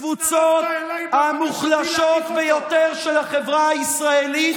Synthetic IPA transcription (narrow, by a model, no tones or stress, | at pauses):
vut͡sot̪ | hamuχlaʃo̞t̪vejot̪eʁʃelaχevʁaaisʁaeli